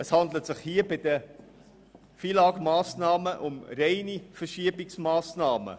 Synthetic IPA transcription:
əshɑndlətsɪχhiːbɪdə | fiːlɑːɡmɑːsnɑːməʔʊmɾeɪnifəʃiəbɪksmɑːsnɑːmə̰

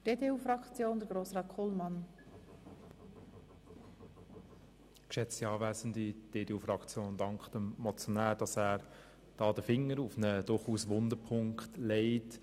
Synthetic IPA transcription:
d̥eːdeːuːfrɑkt͡sjoːndəɡɾoːsʁɑːtkʰɔlmɑn | kʃɛt͡siɑːvæːzən̩did̥eːdeːuːfɾɑkt͡sjoːndɑŋkχd̥əmɔt͡sjɔnæːɾd̥ɑsæːɾ | d̥ɑːdəfɪŋːəɾufnəd̥ʊɾχuːsʋʊndəɾpʰʊŋkkχtleɪt

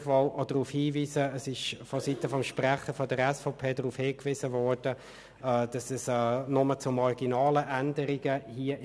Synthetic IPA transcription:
vɔlɔd̥ʁuːfhiːviːsəːsɪʃfɔsitəfɔmʃpʁæχəfɔdəɾɛsfɔpʰeːdʁuːfhɪːkvɪz̥əvɔɹd̥ə | ɛːd̥ɑsɛsɛːnʊmət͡sʊmɔɡinɑːləʔændəɾɪɡəhiːə

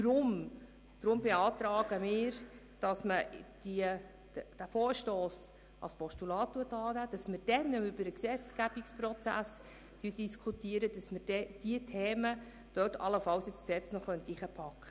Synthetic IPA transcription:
dɾʊm | d̪̥ɾʊmbɛɑːtɾɑːɡəmɪːɾ | d̥ɑsməd̥iə̥ | d̥æfoːɾʃtoːs | ɑ̰spɔstulɑːt̚tːuətɑːnæːd̥ɑsməɾd̥ɛnːəʏbəɾəksɛt͡sɡ̥æb̥iksprɔt͡sæ̰s | tytd̥iskʰutiəɾədɑsməɾd̥ɛd̥iətʰeːmə | d̥œtʰɑ̰ləfɑwsɪsksɛt͡snɔχœnt̪iχəpʰɑkχə

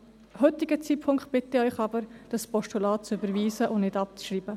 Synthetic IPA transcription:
hɵtɪɡət͡siːtpʰʊŋkχt̚b̥ɪt̪ɪœʏχɑbəɾd̥ɑspɔʃtulɑːt̚t͡sʏbəɾʋiːsəʔʊnɪdɑp̚t͡sʃriːbə

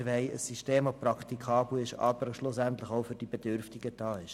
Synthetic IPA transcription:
ɾvɛɪə̰sːiʃteːmɑprɑkt̪ikʰɑːbl̩ɪʃɑ̰bəɾʃlʊsænt̪ləχoʊfʏɾd̥ibed̥ʏɾftiɡ̥əd̥ɑːɪʃ

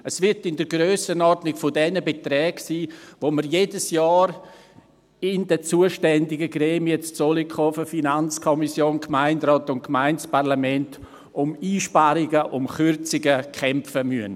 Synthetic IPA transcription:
əsvɪɾtɪndəɾɡɾøːsənɔɾdnɪkfʊdɛnəbetɾɛːɡsiːvoməɾjeːdəsjɑːɾ | ɪndɛt͡suəʃtɛndɪɡəɡɾeːmiət͡st͡solikʰɔfəfinant͡skʰɔmisjoːnkʰmaɪndɾɔːtʊntkmaɪnt͡spaʁlamɛnt | ʔʊmiːʃpaɾɪɡəʔʊmχʏɾt͡sɪɡəkʰɛmfəmyən

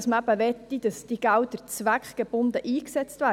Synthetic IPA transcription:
sməæbəʋɛt̪ːid̥ɑsd̥iɡ̥æwd̪əɾt͡sʋækχɡ̥eb̥ʊnd̪əʔiːksɛt͡st̪væː

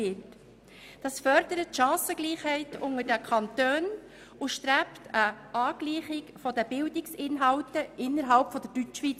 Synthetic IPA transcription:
ɪt | d̥ɑsfœɾd̥əɾətʃɑ̃ːsəɡ̥liːχhɛɪtʊŋəɾdəkʰɑntøːn | ʊʃtɾæptʰəʔɑːɡ̥liːχɪkfɔdəbɪldɪksɪnɦɑwtəʔɪnːəɾɦɑlpfɔd̥əɾd̥ytːʋit͡s

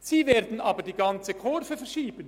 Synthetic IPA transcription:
z̥iːveːɐd̪n̩ʔɑːbədiːɡɑnt͡səkʰɔɾfəfɛɐʃiːbən

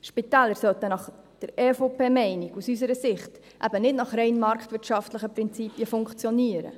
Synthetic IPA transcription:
ʃpitɛːləɾsœltənɑχ | d̥əɾɛːfopeːmɛɪniɡusys̬əɾəsɪχt | ʔæ̰bənɪdnɑχɾɛɪnmɑɾktʋɪɾtʃɑftləχəpɾɪnt͡siːpiəfʊŋkt͡sjɔniəɾə̰

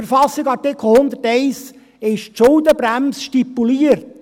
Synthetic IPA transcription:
əɾfɑsːɪɡɑɾtɪkl̩hʊnd̪əɾtɛɪs | ɪʃʃʊld̪əbɾæmsʃtipːuliəɾt

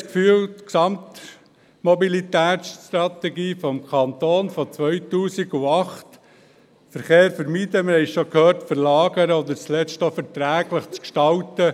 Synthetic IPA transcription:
kfyːlt̪ksɑmt̪ | mɔbilit̪æːsʃtt̪ɾɑt̪ɛɡiːfɔmkʰɑnt̪oːnfɔt͡sʋœʏtuːsiɡuɑχt | fəɾχeːɾfəɾmid̥əməɾhɛɪʃɔkhøːrtfəɾlɑːɡəɾəɔd̪əɾt͡slɛt͡ʃtofɛɾt̪ɾæːɡləχt͡skʃtɑlt̪ə

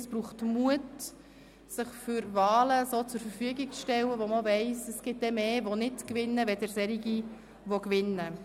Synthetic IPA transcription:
sb̥ɾuːχtmuət | sɪχfʏɾʋɑːləsot͡sʊɾfəɾfyəɡik̚t͡sʃtɛlːəʋoməovɛɪsəsɡ̥ɪt̚d̥ɛmeːʋonɪtkʋɪnːəʋɛdɛɾsɛɾiɡi | ʋokʋɪnːə

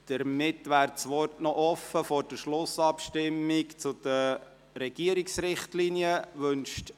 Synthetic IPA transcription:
d̥əɾmɪtʋæːɾt͡sʋɔtnɔʔɔfəfɔɾd̥əʃlʊsɑpʃtɪmːikt͡sʊd̪̥ə | ɾɛɡ̥iəɾiksɾɪχtliniəʋɵnʃt

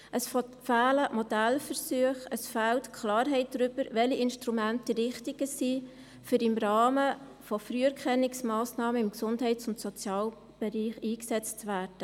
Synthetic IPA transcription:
ʔəsffæːləmɔdælfəɾsyəχəsfæltkʰlɑːɾɦɛɪt̚d̥ɾʏb̥əɾʋɛliʔɪnʃtɾumæntəɾɪχtiɡ̥əsiː | fyɾɪmɾɑːmə | fɔfɾyːəɾkχɛnɪksmɑːsnɑːməɪmksʊndɦɛɪtt͡sʊntsɔt͡sjɑːl | b̥ɛɾiːχiːksɛt͡svæːɾd̥ə

